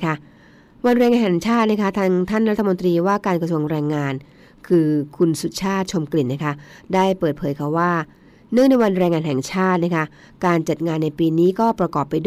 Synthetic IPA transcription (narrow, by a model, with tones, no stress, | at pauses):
kʰa˦˥ | wa˧nɾɛː˧ŋaː˧nɦɛ˨˩ŋt͡ɕʰaː˥˩t̪̚na˥kʰa˦˥t̪ʰaː˧ŋt̪ʰa˥˩nɾa˦˥t̪ʰːmo˧nt̪ɾiː˧waː˥˩kaː˧nkɾsu˧əŋɾɛː˧ŋːaː˧n | kʰɯː˧kʰu˧nsu˨˩t̪̚t͡ɕʰaː˥˩t̪̚t͡ɕʰo˧mkli˨˩nːa˦˥kʰa˦˥daː˥˩jpɤː˨˩t̪̚pʰɤː˩˦jkʰa˧˩waː˥˩ | nɯ˥˩ŋna˧jwa˧nɾɛː˧ŋːaː˧nɦɛ˨˩ŋt͡ɕʰaː˥˩t̪̚na˦˥kʰa˦˥ | kaː˧nt͡ɕa˨˩t̪̚ŋaː˧nːa˧jpiː˧niː˦˥kɔː˥˩pɾa˧kɔː˨˩pːa˧jdu˥˩˨